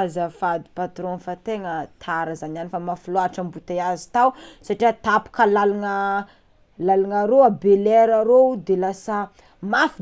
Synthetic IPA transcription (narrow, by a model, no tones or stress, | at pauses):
zafad̪i̥pat̪ɾonfat̪eŋət̪ʰaɾazananifamafuloaʈ͡ʂəmbut̪eazi̥t̪awsaʈ͡ʂiat̪apu̥kəlalaŋə | lalaŋaɾoabeleɾaɾod̪elasa | mafi